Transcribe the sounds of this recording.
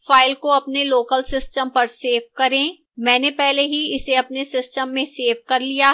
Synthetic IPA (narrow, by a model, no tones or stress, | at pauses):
faːɪlkoɐpneloːkəlsɪsʈəmpɐɾseːfkɐɾẽː | mɛ̃ːnepɛɦleɦiɪseɐpnesɪsʈəmːẽseːʋkɐɾlijaː